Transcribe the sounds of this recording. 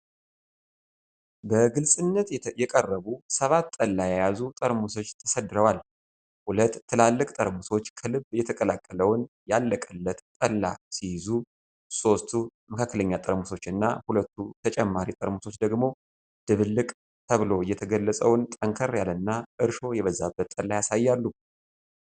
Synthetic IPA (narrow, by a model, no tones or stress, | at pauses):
bəɡɨlsʼɨnːət̪jɛkʼərːəβusəβat̪ːʼəlːajɛjazut̪ʼəɾmuso̞t͡ʃːt̪ʰə̥səd̪ɨɾəwal | hulət̪ːɨlalːɨkʼt̪ʼəɾmuso̞t͡ʃːkʰəlɨbjɛt̪ʰəkʼəlakʼːələwn | jalːəkʼəlːət̪t̪ʼəlːa̰sijɪzu | so̞st̪ʰuməkʰakːələɲːat̪ʼəɾmuso̞t͡ʃːɨnːa̰hulət̪ːut̪ʰət͡ʃʼɛmːaɾit̪ʼəɾmuso̞t͡ʃːd̪əɡmo̞ | d̪̥ɨβɨlːɨkʼ | t̪ʰəβɨlo̞ɨjːɛt̪ʰəɡəlːəsʼəwnt̪ʼəŋkʰəɾjalɨnːaʔɨɾʃo̞jɛβəzːabːət̪ʼəlːajasajːalːu